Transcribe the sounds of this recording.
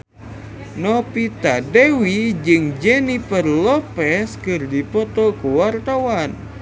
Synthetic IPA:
nɔpit̪adɛwid͡ʒɨŋd͡ʒɛnipərlɔpɛskɨrdipɔt̪ɔkuwart̪awan

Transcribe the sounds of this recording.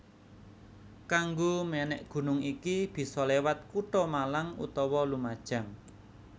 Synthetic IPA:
kaŋɡomɛnɛʔɡ̥ṳnʊŋikib̥i̤sɔlewat̪̚kuʈɔmalaŋṵt̪ɔwɔlumad̥ʒ̥a̤m

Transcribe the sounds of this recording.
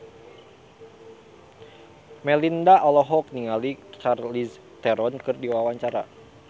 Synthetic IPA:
mɛlindaʔɔlɔɦɔk̚niŋalit͡ʃarlis | t̪ɛɾɔnkɨrdiwawaɲt͡ʃaɾa̰

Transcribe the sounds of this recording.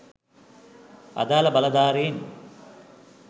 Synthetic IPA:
ɐ̰d̪aːlɐbɐlɐd̪aːɾiːn

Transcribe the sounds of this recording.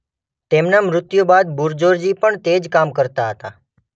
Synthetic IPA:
t̪emnamɾʊt̪jobad̪buɾd͡ʒoɾd͡ʒipəɳt̪ed͡ʒkamkəɾt̪aɦət̪a

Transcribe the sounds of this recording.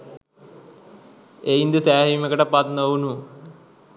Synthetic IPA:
eind̪əsæːɦimːəkəʈəpat̪nownu

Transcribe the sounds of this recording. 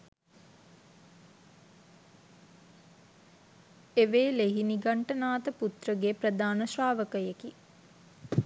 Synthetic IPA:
eʋeːleɦiniɡaɳʈənaːt̪əput̪rəɡeprəd̪aːnəsɾaːʋəkəjeki

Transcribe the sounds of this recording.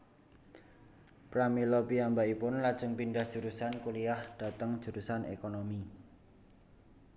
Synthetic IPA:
pɾamilɔpiambaipʊnlad̥ʒ̥əŋpindahd̥ʒ̥ṳɾusankuliahd̥a̤t̪əŋd̥ʒ̥ṳɾusanʔḛkonomi

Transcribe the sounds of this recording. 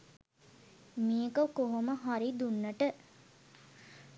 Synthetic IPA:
mijəkəkoɦoməɦaɾid̪unːəʈə

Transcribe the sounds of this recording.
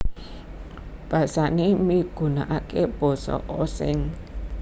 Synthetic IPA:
b̥ä̤sanemiɡ̥ṳna̰ʔakeb̥ɔ̤sɔ̰ʔosɪ̰ŋ

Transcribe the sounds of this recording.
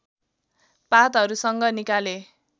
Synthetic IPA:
pat̪ʌɾusʌŋɡʌnikale

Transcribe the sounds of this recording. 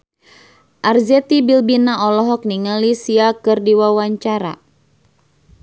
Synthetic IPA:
ʔarzɛt̪ibilbinaɔlɔɦɔk̚niŋalisiakɨrdiwawaɲt͡ʃaɾa̰

